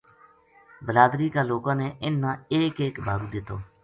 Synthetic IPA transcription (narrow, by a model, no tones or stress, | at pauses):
bəlaːd̪ɾiːkaːloːkãːneːʔɪnːãːeːkeːkbʱaːɡũːd̪ɪt̪oː